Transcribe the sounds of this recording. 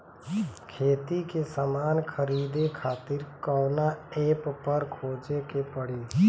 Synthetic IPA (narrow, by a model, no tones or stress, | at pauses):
kʰeːt̪ikesəmaːnkʰəɾiːd̪ekʰaːt̪ɪɾkɔːnaeːppəɾkʰoːd͡ʒekepəɽeː